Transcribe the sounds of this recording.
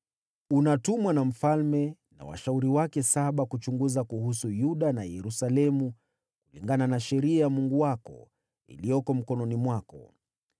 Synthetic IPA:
unatumwanam̩falmɛ | na̰wa̰ʃauɾiwakɛsaɓakut͡ʃuŋɡuzakuhusujuɗanajɛɾusalɛmu | kuliŋɡananaʃɛɾiajamuŋɡuwakɔ̰ | ḭlijɔkɔm̩kɔnɔnimwakɔ̰

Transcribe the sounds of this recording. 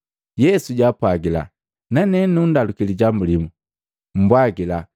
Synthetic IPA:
jɛsuɟapwaɡila̰ | nanɛnundalukiliɟamulimu | m̩bwaɡila

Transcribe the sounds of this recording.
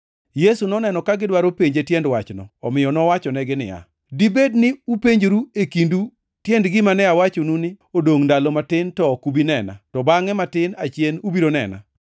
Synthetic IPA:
jesunɔnɛnɔkaɡɪdwaɾopeɲd͡ʒetjɛndwat͡ʃnɔ̰ɔmɪjɔnɔwat͡ʃɔnɛɡɪnɪ̰ja̰ | dibednɪupeɲd͡ʒɾuekindu | tjɛndɡɪmanɛawat͡ʃonunɪ | odoŋndalɔmatɪntɔkubinɛna̰tɔbaŋɛmatɪnat͡ʃjenubiɾonɛ̰na̰

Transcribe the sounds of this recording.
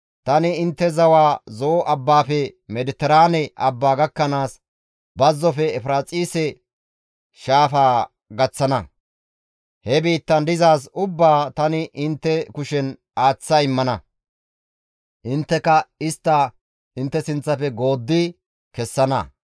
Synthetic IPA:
t̪ɐnɪɪnt̪ːɛzɐwaːzoːʔɐbːaːfɛmɛd̪ɪt̪ːɛɾaːnɛʔɐbːaːɡɐkːɐnaːs | bɐzːɔfɛɛfɾaːt͡sʼiːsɛ | ʃaːfaː | ɡɐt͡sːɐnɐ | hɛbiːt̪ːɐnd̪ɪzaːs̬ʊbːaːt̪ɐnɪʔɪnt̪ːɛkʊʃɛn | aːt͡sːaɪmːɐnɐ | ʔɪnt̪ːɛkɐɪst̪ːɐ | ɪnt̪ːɛsɪnt͡sːɐfɛɡo̞ːd̪ːɪ | kɛsːɐnɐ

